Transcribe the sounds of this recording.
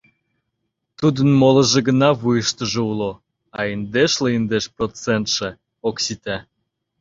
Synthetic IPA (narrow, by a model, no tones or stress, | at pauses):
t̪ud̪ənmolə̆ʒĕɣənɑβujəʃt̪əʒeulo | ɑind̪eʃleind̪eʃprot͡sent̪ʃe | oksit̪æ